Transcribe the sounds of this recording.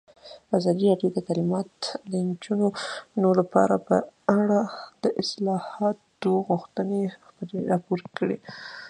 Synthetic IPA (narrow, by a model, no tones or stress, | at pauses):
ɑzɑd̪iɾɑɖjod̪ət̪alimɑt̪lənd͡ʒunonolapɑ̰ɾapəaɽad̪̥əʔɪslɑhɑt̪oɣʊxt̪ənexpəleɾɑpoɾkəɽe